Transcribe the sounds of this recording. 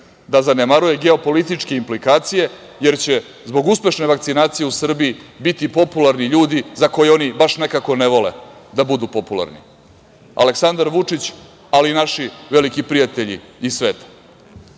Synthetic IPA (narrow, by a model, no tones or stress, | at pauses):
d̪azanemaɾuje̞ɡe̞o̞po̞lit̪it͡ʂke̞implikaːt̪sije̞ | je̞ɾt͡ɕe̞ | zbo̞ɡuspe̞ʃne̞ʋakt̪sinaːt̪sijeusr̩biibit̪ipo̞pulaɾniʎuːd̪izako̞jeo̞nibaʂne̞kako̞neʋo̞le̞̰d̪abud̪upo̞pula̰ɾnḭ | a̰le̞ksand̪aɾʋut͡ʂit͡ɕ | alinaʃiʋe̞likipɾijat̪eʎḭisʋe̞ːt̪ḁ